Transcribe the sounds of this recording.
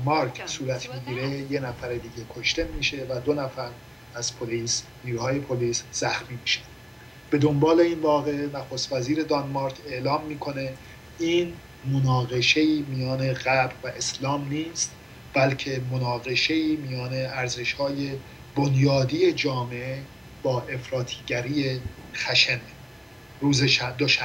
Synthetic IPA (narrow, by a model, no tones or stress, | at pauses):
mɑɾkʰsuːɾæt̪ʰmiɟiːɾe̞je̞næfæɾed̪iːɟe̞kʰoʃt̪e̞miːʃe̞væd̪onæfæɾ | æz̥pʰoliːsniːɾuːhɒːje̞pʰoliːsz̥æxmiːmiːʃæn | b̥e̞d̪o̞mbɒːle̞invɒːɣe̞ʔnæxost̪væziːɾe̞d̪ɒnmɑɾt̪ʰe̞ʔlɒːmːiːkʰo̞ne̞ | iːn | mo̞nɒːɣe̞ʃe̞iːmijɒːne̞ɣæbɾvæʔe̞slɒːmniːst̪ | b̥ælcʰe̞monɒːɣe̞ʃe̞iːmijɒːne̞æɾze̞ʃhɒːje̞ | bo̞njɒːd̪ije̞d͡ʒɒːmeʔe | b̥ɒːʔe̞fɾɒːt̪ʰiːɟæɾiːje | xæʃene | ɾuːzed̪oʃæ